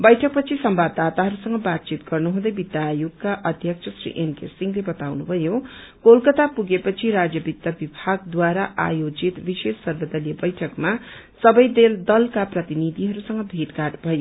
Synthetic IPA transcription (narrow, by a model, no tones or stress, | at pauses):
bʌjʈʰʌk̚pʌt͡sʰisʌmbadd̪at̪aɦʌɾusʌŋɡʌbat̪̚t͡ʃit̪ɡʌrnuɦũd̪ʌjbit̪ːjajuɡkaʔʌd̪ʱjʌk̚t͡sʰʌsrḭʔenkḛsiŋlebʌt̪awnubʱʌjokolkʌt̪apuɡepʌt͡sʰiɾad͡zjʌbit̪jabibʱaɡd̪waɾaʔa̰jod͡zit̪bisesːʌrbʌd̪ʌlijʌbʌjʈʰʌkma | sʌbʌjd̪eld̪ʌlkaprʌt̪inid̪ʱiɦʌɾusʌŋɡʌbʱiɾkaʈbʱʌjo